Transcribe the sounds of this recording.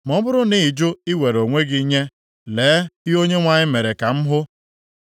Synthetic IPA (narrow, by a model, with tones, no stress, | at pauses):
mɔ˦bʊ˦ɾʊ˦ni˦˨d͡ʒʊ˦i˦we˨ɾo˨ŋʷe˦ɡi˦ɲe˦ | leː˨˦i˦o˦ɲe˦ŋʷa˨ɲɪ˦me˨ɾe˨ka˨m̩˦ɦʊ˦